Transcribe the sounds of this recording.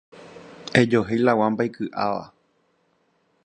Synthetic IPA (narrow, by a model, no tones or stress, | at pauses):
e̞d͡ʒo̞ɦejlawãmbajkɨʔaʋa̰